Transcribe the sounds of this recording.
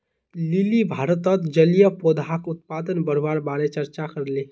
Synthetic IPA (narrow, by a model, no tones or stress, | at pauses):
lilibʱaːɾət̪ət̪d͡ʒəlijəpod̪ʱakʊt̪̚paːd̪ənbəɾʋaɾbaɾet͡ʃəɾt͡ʃakəɾle